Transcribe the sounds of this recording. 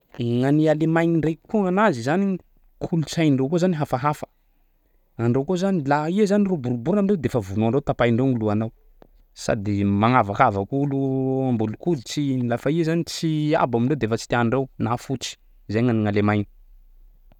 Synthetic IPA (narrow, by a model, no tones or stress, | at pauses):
ŋanialemajniɳɖ͡ʐejkuŋanazizani | kʰulut͡sajɳɖ͡ʐewkozaniɦafaɦafə̥ | aɳɖ͡ʐewkozanilaiezanirobuɾubuɾnamiɳɖ͡ʐewd̪efəvunuaɳɖ͡ʐewt̪apajɳɖ͡ʐeŋiluanaw | sa̰d̪imaŋavakavəkuluambulukulut͡sinilafaiezanit͡sia̰baminɳɖ͡ʐewd̪efət͡si̥t̪iaɳɳɖ͡ʐewnafut͡si̥ | zeŋaniŋalemajni̥